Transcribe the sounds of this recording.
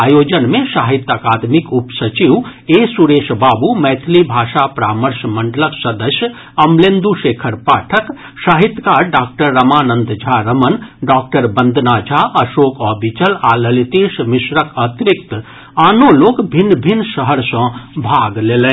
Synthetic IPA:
ajod͡ʒənmẽsaːɦit̪aːkad̪mikupsət͡ʃiwesuɾeːʃbaːbumɛt̪ʰlibʱaːʃapɾaːməɾsməɳɖələksəd̪əsjə | ɐmlẽnd̪uʃeːkʰəɾpaːʈʰək | saːɦit̪ːkaɾɖaːk̚ʈəɾːəmaːnə̃nd̪d͡ʒʱaɾəmənɖaːk̚ʈəɾbə̃nd̪ʱnad͡ʒʱaʔəʃoːkɔːbʱit͡ʃəlaləlit̪eːʃmisɾəkət̪ɾikt̪ | aːnoloːkbʱinːbʱinːsəɦəɾsə̃bʱaɡlelɛ̃

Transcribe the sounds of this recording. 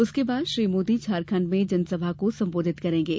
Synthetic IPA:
ʊskebaːd̪ʃɾiːmoːd̪it͡ʃʰaːɾkʰə̃ɳɖmẽd͡ʒɐnsɐbʱakosɐ̃mboːd̪ʱɪt̪kɐɾẽːŋɡeː

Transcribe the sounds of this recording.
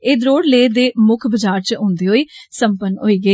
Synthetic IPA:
eːd̪ɾoːɽleːd̪eːmʊkʰbəd͡ʒaːɾt͡ʃõːnd̪iːɦoːiːsəmpənɦoːiːɡəiː

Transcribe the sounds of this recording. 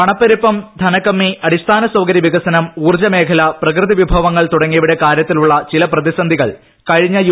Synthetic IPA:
ɐɳɐpːɐɾipːɐmd̪ʱɐnɐkːɐmːiɐɽist̪ʰaːnɐswɐwɡɐɾiʋiɡɐsɐnɐmuːrt͡ɕɐme̞ːkʰɐlɐprɐkrɨðiʋibʱɐʋɐŋːɐɭt̪uɽɐŋːijʋiɽe̞kaːɾjɐt̪ːiluɭːɐt͡ɕilɐprɐðisɐnd̪ʱiɣɐɭ | kɐɻiɲːɐj

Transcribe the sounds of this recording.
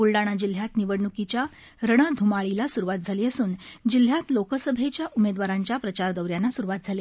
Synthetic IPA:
uɭɖaɽ̃ad͡ʑil̤jat̪niʋəɽɳukit͡ɕja | ɾəɽ̃əd̪ʱumaɭilasuɾuʋat̪̚d͡zʱaliːəsuːnd͡ʑil̤jat̪lokəsəbʱet͡ɕjaʔumed̪ʋaɾaɲt͡ɕjapɾət͡ɕaɾd̪əwɾjanːasuɾuʋat̪̚d͡zʱale

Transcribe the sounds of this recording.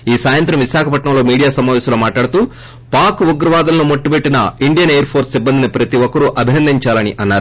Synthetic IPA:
iːsaːjɐnt̪ɾɐmʋiʃaːkʰɐpɐʈɳɐmlo̞ːmiːɽijaːsɐmaːʋɛːsɐloːmaːʈlaːɽut̪uː | paːɾkuɡɾɐʋaːd̪ɐlɐnumoʈːubeʈːinɐiɳɖijɐnejɐɾpʰoːɾsibːɐnd̪inɐpɾɐt̪iʋɔkɐɾuʔɐbʱinɐnd̪iɲt͡ʃaːlɐniʔɐnːaːɾu

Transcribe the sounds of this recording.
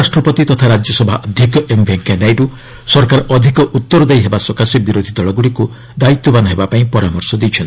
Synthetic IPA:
asʈɾɔpɔt̪it̪ɔt̪ʰaɾad͡ʒjɔsɔbʱaʔɔd̪ʱikɔʔembʱeŋkanajɾu | sɔɾkaɾɔʔɔd̪ʱikɔʔut̪ːɔɾɔd̪ejɦebasɔkasɔbiɾod̪ʱid̪ɔɭɔɡuɭiku | d̪ait̪ːɔbanɔɦebapaĩpɔɾamɔɾsɔd̪ejt͡ʃʰɔnt̪i

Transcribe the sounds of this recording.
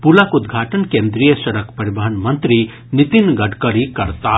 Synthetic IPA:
pulakud̪ɡʱaːʈənkẽnd̪ɾijəʃɐɾəkpɐɾibəɦənmɐnt̪ɾi | nit̪inɡɐɖkəɾikɐɾt̪a

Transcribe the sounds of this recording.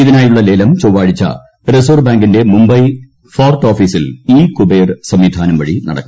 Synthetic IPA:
iðinaːjuɭːɐle̞ːlɐmt͡ɕoːʋaːɻit͡ɕːɐ̰ | res̬oːrbaːŋɡinde̞mumbɐj | foːrʈoːfiːsiliːkubejrsɐmːiːd̪ʱaːnɐmʋɐɻinɐ̰ɽɐkːɐum

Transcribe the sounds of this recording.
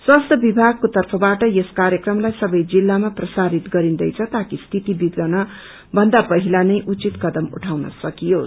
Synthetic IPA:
swast̪ʰʌbibʱaɡ̚kot̪ʌrpʰʌbaʈʌjeskaɾjekrʌmlajsʌbʌjd͡zilːamaprʌsaɾit̪ɡʌɾind̪ʌjt͡sʰʌt̪akist̪ʰit̪ibiɡ̪lʌnʌ | bʱʌnd̪apʌɦilanʌjʔut͡sit̪kʌd̪ʌmṵʈʰawnʌ̰sʌkijo

